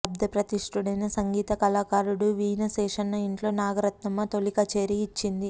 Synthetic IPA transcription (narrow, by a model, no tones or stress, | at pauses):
ɐb̚d̪ɐpɾɐt̪iʂʈuɽɐjnɐsɐŋɡiːt̪ɐkɐlaːkaːɾuɽuʋiːnɐsɛːʂɐnːɐiɳʈlo̞ːnaːɡɐɾɐt̪nɐmːɐt̪olikɐt͡ʃeːɾiːt͡ʃːind̪i